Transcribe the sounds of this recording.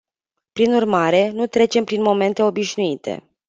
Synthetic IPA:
pɾinurmaɾe̞nut̪ɾe̞t͡ʃe̞mpɾinmo̞me̞nt̪e̞o̞biʃnuit̪ʰe̞̰

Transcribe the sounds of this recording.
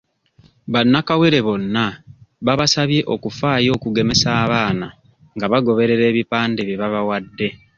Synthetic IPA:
βanːakawe̞ɾe̞βo̞nːaβaβasaβje̞ʔo̞kufaːjo̞ːkuɡe̞me̞saːβaːna | ŋɡaβaɡo̞βe̞ɾe̞ɾe̞ːβipaːndeβiβaβawadːe̞

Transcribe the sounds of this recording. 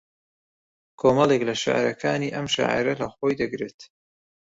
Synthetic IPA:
kʰoːmɐlˠeklɐʃa̰ʕɾɐkʰaːniːʔɐmʃa̰ʕa̰ɾɐlɐxojd̪ɐɡɾeːt̪

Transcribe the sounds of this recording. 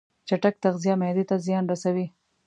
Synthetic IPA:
t͡ʃaʈak̚t̪aɣzijamjd̪it̪azjɑnɾasawi

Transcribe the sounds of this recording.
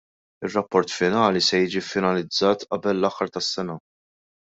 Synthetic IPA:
ɪrːɐpːɔɾt̪fɪnɐːlisɛjiːd͡ʒifɪnɐlɪd͡zːɐːt̪ʔɐbɛlːɐħːɐɾt̪ɐsːɛnɐ

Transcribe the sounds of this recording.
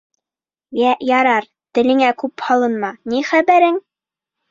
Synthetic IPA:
jæʔjɑɾɑɾ | t̪ɘ̆lɘ̆ŋækʉphɑlˠɤ̆nmɑniχæbæɾɘŋ

